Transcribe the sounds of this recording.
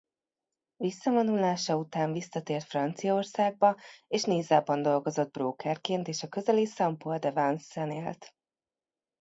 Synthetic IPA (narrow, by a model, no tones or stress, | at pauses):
visːɒvonulaːʃɒut̪aːɱvisːɒt̪eːrt̪frɒnt̪sijɒorsaːɡ̚bɒeːʃneːzaːbɒnd̪o̞lɡo̞zo̞d̪̚broːkɛrkeːnt̪eːʃɒkøzɛlisɒmpold̪ɛvansɛneːlt̪